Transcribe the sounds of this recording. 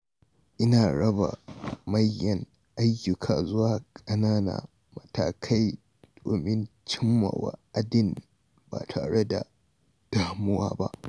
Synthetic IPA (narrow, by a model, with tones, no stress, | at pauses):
ʔɪ˦naː˨ɽɐ˦ba̰˨mɐ˦jːɐ˨ŋ | ʔa˦jjːʊ˨kʰaː˨zʊ˦waː˨kʼɐ˦naː˦na̰ː˨ | mɐ˨taː˨kʰa˦j | d̥oː˨mɪ˦nt͡ʃɪ˦mːa̰˨wa̰˦ʔa˦dɪ˦˨n | ba̰ː˨tʰaː˨ɽe˦da̰˨ | d̥aː˦mʊ˦waː˦ba̰˦ʔ